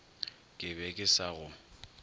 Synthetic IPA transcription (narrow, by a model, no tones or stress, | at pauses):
kʼɪbɛkʼɪsaɣʊ